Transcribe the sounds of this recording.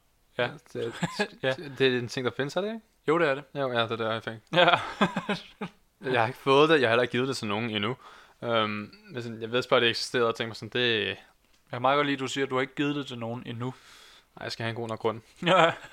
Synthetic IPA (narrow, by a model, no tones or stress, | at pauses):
j̥e | d̥e̝æent͡sʰe̝ŋ̰d̥ɑfe̝nəsæɾ̥eeɡ | joʊɾ̥eæɐɾejoʊ̰jæd̥e̝d̥eɒfeɡ̥ | jɑhɑ̈e̝ɡ̥ə̥fɔ̽ːð̩ˠd̥e̝jɑhɑhelɐe̝ɡ̥ið̞̩ˠd̥e̝sʰɒnːo̝ːn̩inu | ømmensɒ̽njɑ̈ʋe̝ð̰ˠsb̥ɑ̈ːdɾ̥eeɡ̥si̥sd̥e̝̰ːɐðˠt͡sʰeŋɡ̥mɑsɔ̽nd̥e̝ | jɑmɑ̈ɡ̥ɐliːd̥usiːɐd̥uhɑ̈e̝ɡ̥ɡ̥ið̞̩ˠd̥edeno̝ːn̩inu | nɑ̈ɪjɑsɡ̥æhæenɡo̰ːonɐɡ̥ʁɔ̽n̰n̩